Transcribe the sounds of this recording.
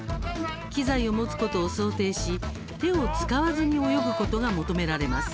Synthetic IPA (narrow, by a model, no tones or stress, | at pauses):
kʲizaio̞mo̞t͡sɨ̥ko̞t̪o̞ːso̞ːt̪e̞ːɕi | t̪e̞o̞t͡sɨ̥kaβazɨɲ̟io̞jo̞bɯ̟ko̞t̪o̞ɡamo̞t̪o̞me̞ɾaɾe̞masɨ̥